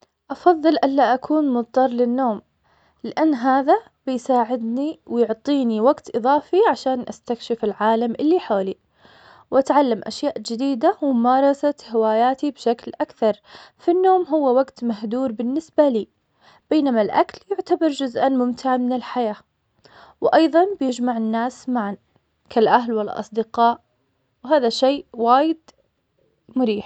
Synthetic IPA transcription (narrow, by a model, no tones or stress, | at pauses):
ʔɑfɑðˤːɨlʔalːaʔakʰuːnmʊt̪ˤt̪ɑrˤlɪnːoːm | lɪʔanːɦaːða | bɪjsaːʕɪd̪niwɪjʊʕt̪ˤiːniwaɡt̪ʔɨðˤɑːfiʕaʃaːnʔast̪akʃɪfɪlʕaːlamʔɪlːiħoːli | wʔat̪ʕalːamʔa̰ʃjaːʔd͡ʒɪd̪iːd̪awmʊmɑːɾˤɑsat̪hɪwaːjaːt̪ibʃaklʔakθɑɾˤfinːoːmɦʊwːawaɡt̪mahd̪uːɾbɪnːɪsbaliː | b̥eːnamalʔa̰kljʊʕt̪abɑɾˤd͡ʒʊzʔanmʊmt̪ɪʕamɪnɪlħajaː | wʔɑjðˤɑnbɪjɪd͡ʒmaʕɪnːaːsmaʕan | kalʔaɦlwɪlʔɑ̰sˤd̪ɪqɑːʔ | wɦaːðaʃeːʔwaːjɪd̪ | mʊɾiːħ